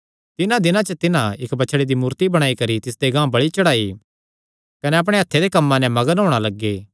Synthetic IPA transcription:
t̪ɪnãd̪ɪnãt͡ʃət̪ɪnãɪkbɐːt͡ʃʰɽed̪imuːɾt̪ibɐɽ̃aːikɐɾit̪ɪsd̪eɡãːbɐɽit͡ʃɐɽaːi | kɐnɛɐp̬ɽ̃eɦɐt̪ʰːed̪ekɐmːãnɛ̃mɐɡənɦoːɽ̃alɐɡːeː

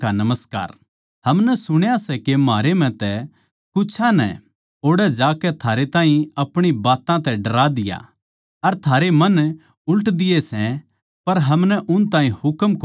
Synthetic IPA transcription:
anɐməska̰ːɾ | hɐmnɛsʊɽ̃jasɛkemaːɾem̤ɛ̃t̪ɛ | kʊt͡ʃʰãnɛ̰ | oːɽɛd͡ʒaːkɛt̪ʰaːɾet̪ãːɦĩɐpɽ̃ibaːt̪ãt̪ɛɖɐɾaːd̪ɪja̰ | ɐɾt̪ʰaːɾemɐn | ʊləʈd̪ɪjesɛ̃ | pɐɾɦɐmnɛʔʊnt̪ãːɦĩhʊkmko

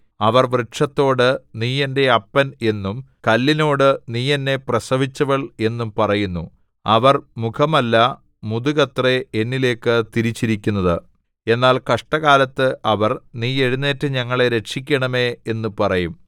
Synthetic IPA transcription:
ɐʋɐrʋrɨʈʂɐt̪ːo̞ːɽɨniːjɐnde̞ɐpːɐne̞nːum | kɐlːino̞ːɽɨniːjɐnːe̞prɐsɐʋit͡ɕːɐʋɐɭe̞nːumpɐrɐjunːu | ɐʋɐrmukʰɐmɐlːɐ | muðuɣɐt̪reenːile̞ːkːɨt̪iɾit͡ɕːiɾikʲːunːɐðɨ | e̞nːaːlkɐʂʈɐɣaːlɐt̪ːɨʔɐʋɐrniːje̞ɻinːeːtːɨɲɐŋːɐɭe̞ɾe̞ʂikʲːɐɳɐme̞ːnːupɐrɐjum

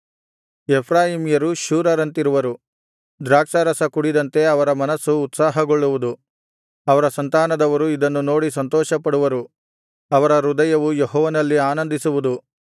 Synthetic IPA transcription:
epʰɾaːjiːmjɐɾuʃuːɾɐɾɐnt̪iɾuʋɐɾu | d̪ɾaːkʃɐɾɐsɐkuɽid̪ɐnt̪e̞ɐʋɐɾɐmɐnɐsːuːt̪saːɦɐɡoɭːuʋud̪u | ɐʋɐɾɐsɐnt̪aːnɐd̪ɐʋɐɾuid̪ɐnːuno̞ːɽisɐnt̪ɔːʃɐpɐɽuʋɐɾu | ɐʋɐɾɐɾud̪ɐjɐʋujeɦɔːʋɐnɐlːiaːnɐnd̪isuʋud̪u

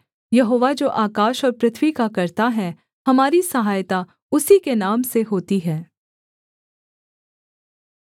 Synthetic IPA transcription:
jɐɦoːʋad͡ʒoːʔaːkaːʃɔːɾpɾɪt̪ʰwikakɐɾt̪aɦɛ | hɐmaːɾisɐɦaːjt̪a | ʊsikenaːmseɦoːt̪iɦɛː

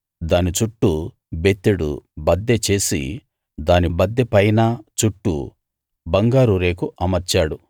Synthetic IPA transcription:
d̪aːnit͡ʃuʈːu | bet̪ːuɽṵbɐd̪ːet͡ʃe̞ːsḭ | d̪aːnibɐd̪ːepɐjnɐt͡ʃuʈːṵ | bɐŋɡaːɾuɾe̞ːkuʔɐmɐɾt͡ʃaːɽu

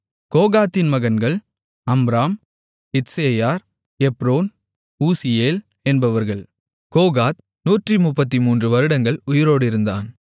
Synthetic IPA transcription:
koːɣaːt̪ːɪnmɐɣɐnɡɐɭ | ɐmbɾaːm | ɪt̪seːjaːɾ | ɛpɾoːn | uːsɪjeːl | ɛnbɐʋɐɾɣɐɭ | koːɣaːt̪̚ | nuːʈrimʊpːɐt̪̬ːimuːndrɯʋɐɾɯɽɐŋɡɐɭʊjɪɾoːɽɪɾɯnd̪a̰ːn

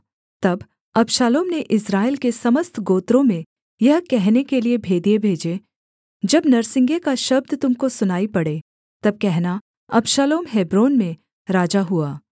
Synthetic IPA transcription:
t̪ɐb | ɐbʃaːloːmneʔɪsɾaːɪlkesɐməst̪ʰɡoːt̪ɾõmẽ | jɐɦkɛɦnekeliebʱeːd̪ijebʱeːd͡ʒe | d͡ʒɐbnɐɾsɪ̃ŋɡekaʃɐb̚d̪t̪ʊmkosʊnaːipɐɽeː | t̪ɐb̚kɛɦna | ɐbʃaːloːmɦeːbɾoːnmẽ | ɾaːd͡ʒaɦuaː

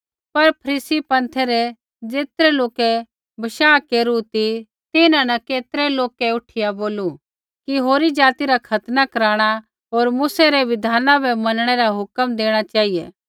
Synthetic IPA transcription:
pɐɾpʰɐɾiːsipɐ̃nt̪ʰɛɾɛ | d͡ʒeːt̪ɾɛloːkɛ | bʱɐʃaːkeːɾut̪i | t̪ɪnãnɐkeːt̪ɾɛloːkɛʊʈʰɪjaboːlu | kiɦoːɾid͡ʒaːt̪iɾakʰɐt̪nakɐɾaːɽ̃a | ɦoːɾmuːsɛɾɛʋɪd̪ʱaːnãbʱɛmɐnɽ̃ɛɾaɦʊkəmd̪eːɽ̃at͡ʃaːɦijḛː

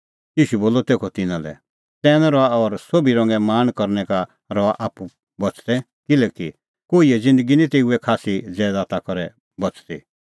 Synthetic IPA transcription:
jiːʃuboːlɔt̪eːkʰɔt̪ɪnãlɛ̰ | t̪ɛːñɛɾɔaɔɾsobiɾɔ̃ŋɡɛmaːnkɔɾnɛka | ɾɔaʔaːpu | bɔt͡st̪ɛ | kɪlɛki | koːiɛd͡zɪ̃nd̪əɡinĩt̪euɛkʰaːsid͡zɛːd̪at̪akɔɾɛ | bɔt͡st̪ḭ

